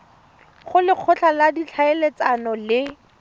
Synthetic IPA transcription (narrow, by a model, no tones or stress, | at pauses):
χʊlɪq͡χʰʊɬʰaladit͡ɬʰaelet͡sanɔlɪ